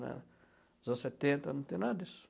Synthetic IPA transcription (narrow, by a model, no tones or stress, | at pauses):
na̰ | zãsat̪et̪anut̪enad̪is